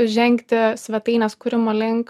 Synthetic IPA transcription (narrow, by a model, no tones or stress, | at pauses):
ʒʲɛŋʲkt̪ʲɪsʲʋʲɛt̪ɐɪnʲɛskʊɾʲɪmoːlʲɪŋk